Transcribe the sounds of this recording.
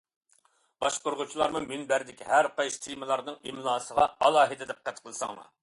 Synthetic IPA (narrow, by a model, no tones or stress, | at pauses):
b̥ɑʃqoɾʁʊt͡ʃʰilˠɑɾmumynbæɾd̪ɪkʲhæɾqɑjʃt̪ʰijmɨlˠɑɾnɨŋimlˠɑːsəʁɑɑlˠɑːɦɨd̪ɪd̪ɛp̚qʰːæt̪qʰəlˠsɑŋmɑ̰